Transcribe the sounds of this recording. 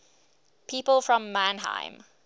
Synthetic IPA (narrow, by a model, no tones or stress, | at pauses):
pʰiːˑpəlˠfɹɔ̃mːæ̃nɦã̰ɪ̃m